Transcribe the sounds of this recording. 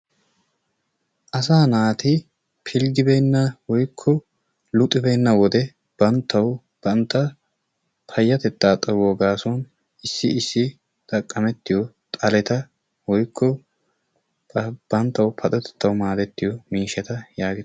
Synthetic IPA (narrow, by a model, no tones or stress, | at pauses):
ʔɐs̬aːnaːt̪ɪ | pʰɪlɡɪbejnːɐwɔjkʰːɔ | lʊt̪ʼːɪbenːɐwɔd̪ɛ | b̥ɐnt̪ːɐw | b̥ɐnt̪ːɐ | pʰɐjːɐt̪ɛt̪ːaːt̪ʼɐwɔɡaːsɔn | ʔɪsːɪɪsːɪ | t̪ʼɐkʼːɐmɛt̪ːɪjɔt̪ʼɐlɛt̪ɐ | wɔjkʰːɔ | b̥ɐnt̪ːɐwpʰɐt̪ʼɛt̪ɛ̥t̪ːɐwʊmaːd̪ɛt̪ːɪjɔmiːʃɛt̪ɐjaːɡɪ